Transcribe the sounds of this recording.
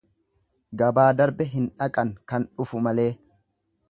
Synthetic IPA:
ɡɐbaːd̪ɐɾbɛɦɪnᶑɐkʼɐŋkɐnᶑʊfʊmɐle̞ː

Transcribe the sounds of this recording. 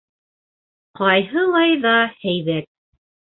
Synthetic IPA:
qɑjɦɤlˠɑjðɑhæjβæt̪̚

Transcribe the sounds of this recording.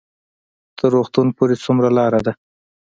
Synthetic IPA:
t̪əɾːoxt̪unpoɾet͡sumɾalɑɾad̪a

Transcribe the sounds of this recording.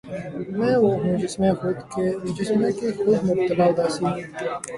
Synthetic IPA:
mɛ̃ːwoɦũːd͡ʑɪsmẽːxʊd̪kemd͡ʒɪsmẽːkixʊd̪mʊb̚t̪əlaːd̪aːsĩː

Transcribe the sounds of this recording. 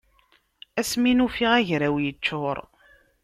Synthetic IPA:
æsminufiʁæʝɾæwjət͡ʃːʊɾˤ

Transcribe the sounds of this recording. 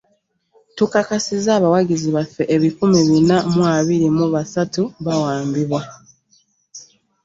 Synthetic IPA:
tukakasizaːβawaɟiziβafːe̞ʔeβikumiβinamwaβiɾimuβasatuβawaːmbiβwa

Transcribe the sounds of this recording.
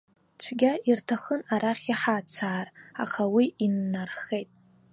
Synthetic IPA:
t͡ʃʷʰɡʲaʔirtʰaχənaɾaχʲiħat͡sʰaːra̰χawiinːarχejtʼ

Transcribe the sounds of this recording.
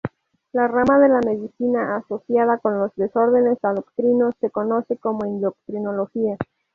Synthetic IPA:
laramaðe̞lame̞ðisinaːso̞sjaðako̞nlo̞zðe̞so̞ɾðe̞ne̞saðokt̪ɾino̞sːe̞ko̞no̞se̞ko̞mo̞ind̪o̞k̚t̪ɾino̞lo̞xia

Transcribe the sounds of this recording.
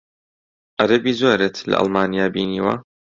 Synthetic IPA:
ʔɐɾɐbiːzoːɾeːt̪lɐ̰ʔɐ̰lmaːnijaːbiːniːwa̰

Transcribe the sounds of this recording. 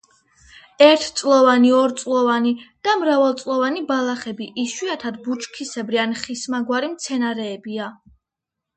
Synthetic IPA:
ɛɾt̪ʰt̪sʼlˠɔvaniɔɾt̪sʼlˠɔvanid̪̥amɾavalˠt̪sʼlˠɔvanibalˠaχɛbiʔiʃwiat̪ʰad̪but͡ʃʼkʰisɛbɾianχismaɡwaɾimt̪sʰɛnaɾɛːbia

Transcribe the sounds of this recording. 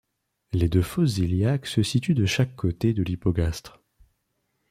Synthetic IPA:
led̪øfɔsziljaksəsit̪yd̪əʃakːot̪ed̪əlipɔɡast̪χ

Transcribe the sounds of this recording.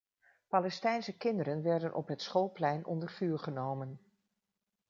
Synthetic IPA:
pɑlɛstɛjnsəkɪndəɾənʋɛɹdənʔɔ̰pɦətsχolˠplɛjnʔɔ̰ndərfyːɹχənowmən

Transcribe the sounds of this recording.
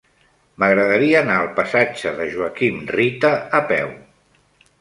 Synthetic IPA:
məɣɾəðəɾiəːnaəlˠpəsad͡ʒəðəʒuəkimrit̪əːpɛw

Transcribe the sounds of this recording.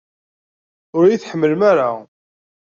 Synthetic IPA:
ʊɾjiθħəmːəlmaɾa

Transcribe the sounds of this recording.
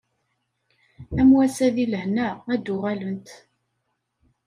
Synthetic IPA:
æmwæsæðiləhnæːd̪ʊʁælənt̪

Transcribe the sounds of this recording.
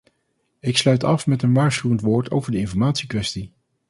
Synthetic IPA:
ɪkslœɥtɑfmɛtənʋaːɹsχywəntʋoːɹtʰo̰wvəɹdəɪnfɔɹmaːtsikʋɛsti

